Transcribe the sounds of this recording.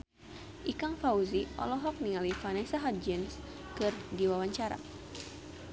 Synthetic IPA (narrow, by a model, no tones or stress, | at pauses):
ʔikaŋfauziʔɔ̰lɔɦɔk̚niŋalifanɛsaɦad͡ʒɛns | kɨrdiwawaɲt͡ʃaɾa̰